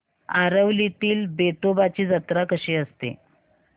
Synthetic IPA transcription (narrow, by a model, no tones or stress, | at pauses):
aɾəʋlit̪iːlbet̪obat͡ɕiːd͡zət̪ɾakəɕeːəst̪ḛ